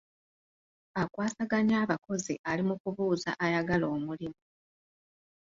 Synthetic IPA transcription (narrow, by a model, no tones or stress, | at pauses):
akwaːsaɡaɲaːβako̞zḭʔalimukuβuːza̰ʔajaɡalo̞ːmulimu